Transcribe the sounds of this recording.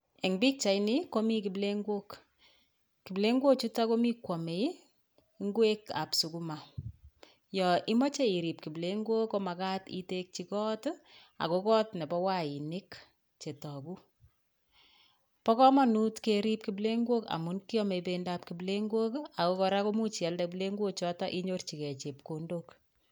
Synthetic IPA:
e˨ŋbi˦k̚t͡ʃa˨jnɪ˦ko˦mi˦ki˨ble˦ŋɡwo˦k | ki˨ble˦ŋɡo˦k̚t͡ʃu˦ta˦ko˦mi˦kwɔ˨me˨j | ŋɡwe˦ka̰˨psu˨ku˦ma˨ | jɔ˨ʔi˦mɔ˦t͡ʃe˦i˨ɾi˨p̚ki˨ble˦ŋɡwo˦ko˦ma˨ka˦tḭ˦te˦k̚t͡ʃi˨kɔ˦t | a̰˨ko˦kɔ˦tne˨pɔ˦wa˦i˨nɪ˦k | t͡ʃe˨tɔ˨ku˦ | pɔ˦kɔ˦ma˦nu˦tkeɾi˦p̚kible˦ŋɡwo˦ka̰˨mu˦nki˦ɔ˦me˨ipendap̚kible˦ŋɡwo˦ka˨ko˦kɔ˨ɾa˦ko˦mu˦t͡ʃa˨ldab̬le˦ŋɡwo˦t͡ʃɔ˦tɔ˦ʔi˦ɲo˦rt͡ʃi˨kɛ˨t͡ʃe˨pko˨ndok

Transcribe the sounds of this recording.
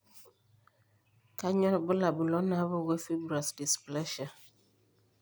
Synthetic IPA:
ka˦ɲɔ˦ɾbʊ˦la˨bu˨lɔ˦na˨˦bə˦wɛ˦fi˦bɾa˨sdi˨splɛ˦ʃa˨

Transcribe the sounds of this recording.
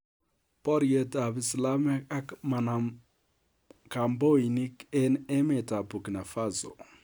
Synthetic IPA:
pɔ˦ɾjə˦ta˨bi˨sla˦me˦a˦kma˨na˨ | ka˨mbo˦i˨ni˦ke˦nɛ˦me˨ta˨bu˨kna˨fa˦zo̰˨

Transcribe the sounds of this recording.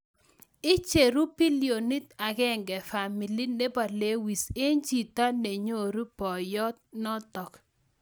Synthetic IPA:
ɪ˦t͡ʃe˨ɾu˦pi˦li˨o˨ni˦ta˨ɡɛ˦˨ŋɡɛ˨fa˨mi˨li˦ne˦ba˨le˦wi˨se˦nd͡ʒi˨ta˦ne˨ɲo˦˨ɾu˦pɔ˨jɔ˦t̪̚nɔ˦tɔ˨k

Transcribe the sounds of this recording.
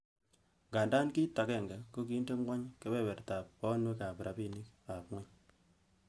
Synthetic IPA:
ŋɡa˨nda˦nki˦ta˨kɛ˨ŋɡa˨ko˦k̬i˨˦nde˦ŋwa˦ɲke˦bɛ˦bɛ˨ɾta˨p̚ːɔ˦nwe˦ka˨pɾʔa˨pi˦ni˦ka˨pŋwɛ˦ɲ

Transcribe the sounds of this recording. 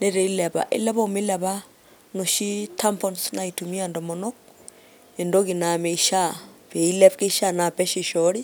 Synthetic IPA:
ne˦ɾe˨i˦lɛ˨βa̰˨ʔḛ˦lɛ˦βo˦˨me˦lɛ˨βa˦ | no˨ʃi˦tʰa˦mpɔ˦nsna˨i˨tu˨mi˦a˨ndɔ˨mɔ˨nɔ˦k̚ | e˨ndo˦ki˨na˨mɛ˨i˨ʃa˦pe˨i˦lɛ˦pke˦i˦ʃa˦na˨pɛ˦ʃi˨ʃɔ˦ɾi˦

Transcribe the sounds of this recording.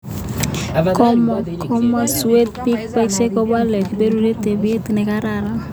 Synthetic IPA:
kɔ˦mkʰɔ˦ma˦su˦e˦d̪̚pi˦k̚pɛ˦kse˦kɔ˦ba˦lɛ˨kbe˦ɾu˦ɾe˦te˨bi˦e˦ti˨nɛ˨ka˦ɾa˨ɾa˦

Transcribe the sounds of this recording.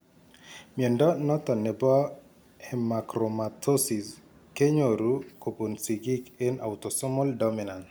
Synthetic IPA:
mjɛ˨ndɔ˦nɔ˦t̪ɔ˨nɛ˨bɔ˦ | ɛ˨ma˨kɾoma˨t̪ʰo˦si˨s | ke˦ɲo˨ɾu˨ko˨bu˨nsi˨ɡi˦ke˦na̰˨ut̪ɔ˨sɔ˦mɔ˦ldɔ˦mina˨n

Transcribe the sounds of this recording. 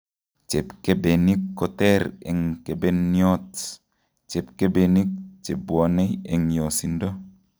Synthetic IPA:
t͡ʃe˨pke˦be˨ni˦kːɔ˨tɛ˦ɾḛ˨ŋke˨be˦njɔ˦t | t͡ʃe˨p̚ke˦be˨ni˦k̚t͡ʃe˨bwɔ˨nɛ˦e˨ŋjo˨si˨ndo˦

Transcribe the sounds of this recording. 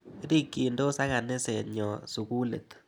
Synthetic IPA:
ɾi˦kːi˨ndo˦sa˦ɣa˨nɪ˦se˨ɲɔ˨su˨ɣu˦lḛ˨t̪

